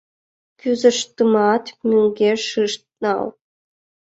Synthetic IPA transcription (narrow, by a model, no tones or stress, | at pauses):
pʲyzə̆ʂt̪ɯmɑt̪mʲyŋɡʲeʂɨʂt̪̚nɑ̰l